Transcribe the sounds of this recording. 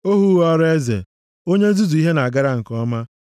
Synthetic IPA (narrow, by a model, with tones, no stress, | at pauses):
o˦ɦu˦ɔ˦ɾe˦zḛ˨ | o˦ɲe˦zu˦zu˨i˦ɦe˦na˨a˨ɡa˦ɾa˦˨ŋ̩˨kɔ˦ma˦